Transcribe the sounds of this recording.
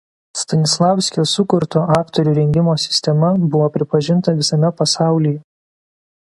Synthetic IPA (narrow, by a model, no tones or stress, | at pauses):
st̪ɐnʲɪslˠɑːˑʊsʲkʲosʊkʊɾt̪oːʔɑːkt̪ɔɾʲuːɾʲɛŋʲɡʲɪmoːsʲɪ̥sʲt̪ʲɛmɐbʊʋoːpʲɾʲɪpɐʒʲɪnt̪ɐʋʲɪsɐmʲɛpɐsɑˑʊlʲijɛ